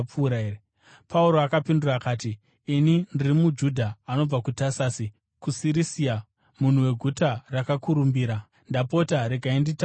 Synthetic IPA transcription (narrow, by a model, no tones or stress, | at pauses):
uɾae | pauɾo̞akapindurakaːtiː | nindirimud͡ʒudʱaːno̞b͡vakutasaːsi | kusiɾisia | mun̤uwe̞ɡʱutarakakuɾumbiːɾa | ndapo̞taɾe̞ɡʱaindita